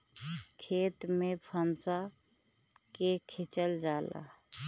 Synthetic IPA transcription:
kʰeːt̪mẽpʰənsa | kekʰɪt͡ʃəld͡ʒaːla̰

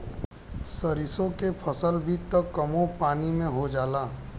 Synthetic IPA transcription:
səɾɪsõkepʰɐsəlbʱit̪əkːəmõpaːnimẽɦod͡ʒaːlaː

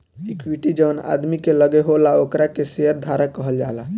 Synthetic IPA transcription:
ikʰwiʈid͡ʒəna̰d̪mikeləɡeɦolaokɾakeseəɾd̪ʱaɾakəɦəld͡ʒala

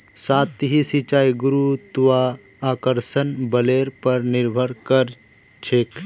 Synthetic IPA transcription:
saːt̪ɦisit͡ʃaːiɡʊɾut̪ʊʋaaːkəɾsənbɐleːɾpɐɾnɪɾbʱəɾkəɾt͡ʃʰeːk

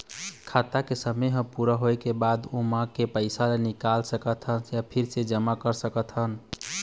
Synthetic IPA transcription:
kʰat̪akesəmeɦə̃puɾəɦojkebad̪umãkepəɪsalenikalsəkət̪ʰɦənjapʰiɾsed͡ʒəmakəɾsəkət̪ʰɦən

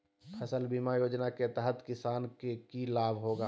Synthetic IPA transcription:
pʰəsəlbiːmajoːd͡ʒnaket̪ɛɦət̪kɪsaːnkekilaːbʱɦoːɡaː

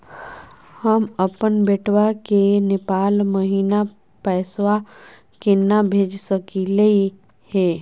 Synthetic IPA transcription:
həməpənbeʈʰwakenepaːlməɦiːna | pɛːswa | kenabʱeːd͡ʒsəkiləi | heː

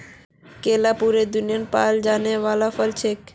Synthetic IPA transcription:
keːlapuɾed̪ʊnɪjənpaːld͡ʒaːneʋaːlafəlt͡ʃʰek

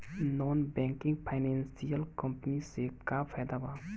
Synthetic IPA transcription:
nɔnbɛ̃ŋkɪ̃ŋɡpʰaɪnɛ̃nsijəlkə̃mpənisekapʰɛːd̪aba

